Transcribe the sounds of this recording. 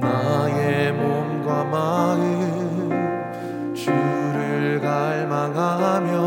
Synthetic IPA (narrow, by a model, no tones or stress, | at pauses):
najemomɡwamanɯ | t͡ɕuɾɯɭkaɭmaŋɦamjʌ